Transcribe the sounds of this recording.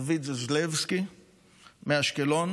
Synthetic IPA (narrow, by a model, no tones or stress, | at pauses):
vizzlevski | meaʃkelon